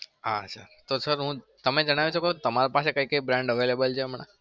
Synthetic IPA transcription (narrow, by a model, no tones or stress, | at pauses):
at͡ʃʰa̰t̪osəɾɦũ | t̪əmed͡ʒəɽ̃aʋet͡ʃʰoket̪əmaɾopaʃekəikəibɾãɳɖəʋelebəlt͡ʃʰeəməɳ̃a̰